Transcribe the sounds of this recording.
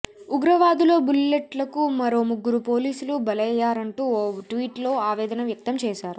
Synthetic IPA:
uɡɾɐʋaːd̪ulo̞ːbulːeʈlɐkumɐɾo̞ːmuɡːuɾupo̞ːliːsulubɐlɐjːaːɾɐɳʈuːʈʋiːʈlo̞ːaːʋɛːd̪ɐnɐmʋjɐk̚t̪ɐmt͡ʃɛːʃaːɾu

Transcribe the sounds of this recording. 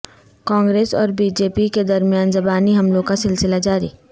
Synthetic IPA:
kãːŋɡɾeːsɔːɾbiːd͡ʒeːpiked̪ɐɾmijaːnzɐbaːniɦɐmlõkasɪlsɪlad͡ʒaːɾḭː

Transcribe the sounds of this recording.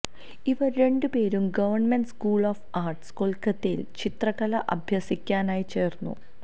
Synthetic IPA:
iʋɐɾe̞ɳɖɨpe̞ːɾumɡɐʋɐrɳmeɳɖskuːɭoːfaːrʈskolkːɐt̪ːejḭlt͡ɕit̪rɐɣɐlɐʔɐ̰bʱjɐsikʲːaːnaːjit͡ɕe̞ːrnːṵ

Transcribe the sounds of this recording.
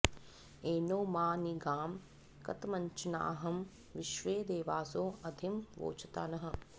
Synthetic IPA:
eːnoːmaːniɡaːm | kɐ̰t̪mɐɲt͡ʃɐna̰ːɦɐm | ʋɪʃʋeːd̪eːʋaːsoːɐd̪ʱimʋo̰ːt͡ʃɐ̥t̪a̰ːnɐɦɐ̆

